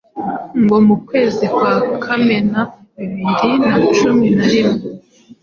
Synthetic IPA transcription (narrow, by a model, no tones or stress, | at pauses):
ŋɡo̞mukwe̞ːzikwaːkʰame̞naiβiːnɾinat͡ʃuminaɾimŋe